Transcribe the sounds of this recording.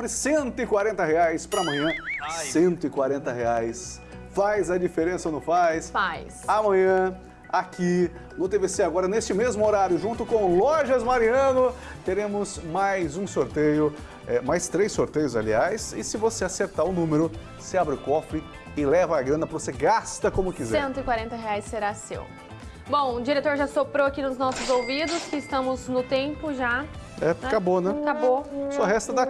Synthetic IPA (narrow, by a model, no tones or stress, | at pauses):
ɾɪsẽnt̪ʊɪkwaɾẽnt̪ɐheajspɾɐmɐ̃ɲ̃ɐ̃sẽnt̪ʊɪkwaɾẽnt̪ɐheajs | fajzɐd͡ʒifeɾẽsɐonɐ̃w̃fajsfajsamɐ̃ɲɐ̃ | aki | nʊt̪eveseaɡɔɾɐnest͡ʃɪmezmʊoɾaɾjʊʒũt̪ʊkõlɔʒɐzmaɾiɐ̃nʊ | t̪eɾẽmʊsmajzũsoɾt̪ejʊ | ɛmajst̪ɾejsoɾt̪ejʊza̰liajsɪsɪvoseaseɾt̪aʊnũmeɾʊ | seabɾɪʊkɔfɾɪ | ɪlɛvɐːɡɾɐ̃nɐpɾɐvoseɡast̪ɐkõmʊkizɛsẽnt̪ʊɪkwaɾẽnt̪ɐɦeajsːeɾasḛw | bõw̃ʊd͡ʒiɾet̪oɾʒasopɾowakinʊznɔsʊzowvid̪ʊskɪɪst̪ɐ̃mʊznʊt̪ẽmpʊʒaɛkabonɛ̃kabosɔɦɛst̪ɐd̪a